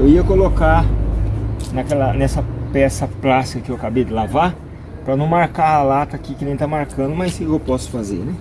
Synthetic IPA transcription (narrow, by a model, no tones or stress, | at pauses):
ewiɐkoloka | nɐkɛlɐnɛsɐpɛsɐplasɪkɐkɪewakabejd̪ɪlava | pɾɐnɐ̃w̃maɾkaːlat̪ɐkikɪnẽj̃t̪amaɾkɐ̃nd̪ʊmɐjskɪewpɔsʊ̥fazḛɾnɛ̃